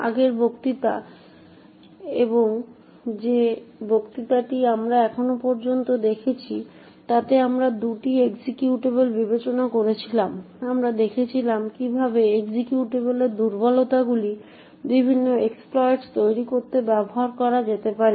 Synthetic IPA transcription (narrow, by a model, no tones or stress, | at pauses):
a̰ɡeɾbʱokt̪it̪a̰ | eboŋ | d͡ʑebʱokt̪it̪aʈiamɾaɛkʰonopɔɾd͡ʑont̪od̪ekʰet͡ɕʰi | t̪at̪eamɾad̪uʈieksikjuʈebelbibet͡ɕonakoɾet͡ɕʰilam | amɾad̪ekʰet͡ɕʰilamkibʱabeekd͡ʑikjuʈeβeleɾd̪uɾbɔlot̪aɡuli | bibʱinːoeksplɔeʈst̪ojɾikoɾt̪ebɛboɦaɾkɔɾad͡ʑet̪epaɾi